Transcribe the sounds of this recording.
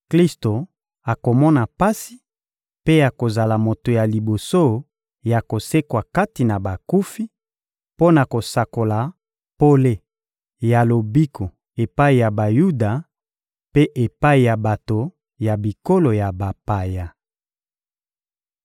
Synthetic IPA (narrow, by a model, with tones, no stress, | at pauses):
kli˦sto˨ | a˨ko˨mɔ˦na˨pa˦si̥˨ | pe˦ja˨ko˨za˨la˨mo˨to˨ja˨li˨bo˨so˦ | ja˨ko˨se˦kwa˨ka˦ti˨na˨ba˨ku˦fi˦ | po˦na˨ko˨sa˨ko˨la˨ | po˦le˦ | ja˨lo˨bi˦kʰo˨ | e˨pa˦i˨ja˨ba˨ju˦da˨ | pe˦ʔe˨pa˦i˨ja˨ba˨to˨ | ja˨bi˨ko˦lo˨ja˨ba˨pa˨ja˨